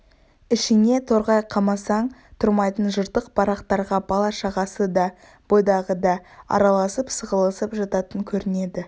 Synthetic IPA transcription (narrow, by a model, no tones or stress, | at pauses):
ɪʃɪne̞t̪ʰo̞ɾʁɑjqʰɑmɑsɑɴt̪ʰʊɾmɑjt̪ənʒʊɾt̪əq̚pʰɑɾɑqt̪ɑɾʁɑbɑlˠɑʃɑʁɑsəd̪ɑ | b̥o̞jd̪ɑʁəd̪ɑɑ̰ɾɑlˠɑsəpsəʁəlˠəsəpʒɑt̪ɑt̪əŋkʲʰɵɾɪne̞d̪ɪ